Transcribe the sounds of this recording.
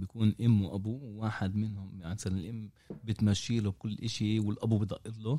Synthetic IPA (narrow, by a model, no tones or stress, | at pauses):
bjakuːnʔɪmːwʔabuwwaːħɪd̪mɪnhʊmasalnɪlʔɪmː | bɪt̪maʃːiːlʊb̚kʊlːʔɪʃiwɪlʔabubid̪ˤɑʔːɪt̪lo